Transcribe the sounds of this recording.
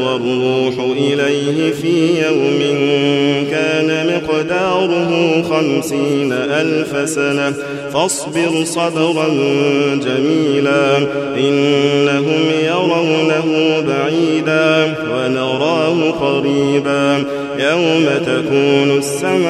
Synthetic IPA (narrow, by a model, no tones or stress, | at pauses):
wɑɾˤuuːħʊʔɪlajhɪfiːjawmɪnkaːnamɪqd̪ɑːɾˤʊɦʊːxamsiːnaʔalfasana | fɑsˤbɪɾsˤɑd̪ɑɾˤɑnd͡ʒamiːlaːʔɪnːaɦʊmjɑɾˤɑwnaɦʊbaʕiːd̪aː | wanɑɾˤɑːhʊqɑɾiːbaː | jawmat̪akuːnʊsːamʕ